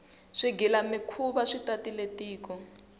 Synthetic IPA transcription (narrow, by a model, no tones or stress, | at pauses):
ʂiɡilamikʰuβaʂitatiletiːkɔ